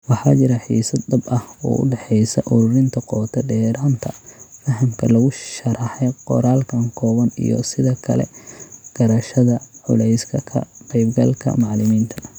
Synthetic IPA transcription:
wɑħɑːt͡ʃɪɾɐħḭːsɐd̪̚ːɐbɐhɔ̰ːʔʊ̰ɖɛħɛjsɐʔʊɾʊɾɪnt̪ʰɐqɔːt̪ʰɛɖɛːɾaːnt̪ʰɐfɐɦɐmkʰɐlɐɣʊʃɐɾɑħɛqɔɾaːlkʰɐŋkʰɔːɣɐnḭjɔ̰sɪðɐkʰɐ̰lɛ̰ɡ̥ɐɾɐʃɐðɐʕʊlɛjskʰɐkʰɐ̰qɛjbɡɐlkʰɐ̰mɑʕlɪmiːnt̪ʰɐ

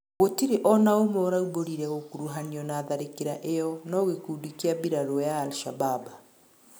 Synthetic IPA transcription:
ɣotiɾeʔɔnaomɔːɾauboɾiɾɛɣokuɾuɦaniɔnaːðaɾekeɾaʔejɔnɔɣekuːdikiabiɾaɾɔjaːlʃababa

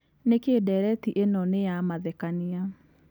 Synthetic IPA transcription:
nekedɛɾɛtiʔenɔnejamaðɛkania

